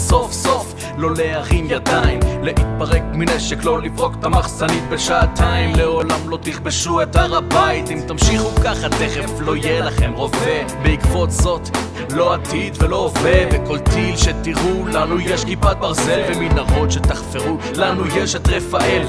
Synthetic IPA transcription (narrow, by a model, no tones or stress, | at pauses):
so̞fso̞f | lo̞leaʁimjad̪aimleʔit̪̚paʁek̚mineʃeklolifʁo̞kt̪amaχsanit̪̚beʃaːt̪ʰaimleolamlo̞t̪iχbeʃuet̪aʁabait̪imt̪amʃiχukaχhad̪eχeflo̞jelaχemʁo̞vebeikvo̞tzo̞t̪ | lo̞at̪id̪velo̞oveveko̞lt̪ilʃet̪iʁulanujeʃkipat̪̚baʁze̞lveminaʁo̞t̪ʃet̪aχfeʁu | lanujeʃet̪ʁefaʔel